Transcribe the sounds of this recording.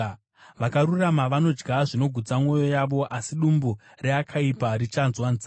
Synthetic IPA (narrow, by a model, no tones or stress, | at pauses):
ʋakaɾuramaʋano̞d͡ʒɡaʐino̞ɡʱud͡zamŋo̞jo̞jaʋo̞ʔasiɗumbu | reakʰaipaɾit͡ʃanzwanza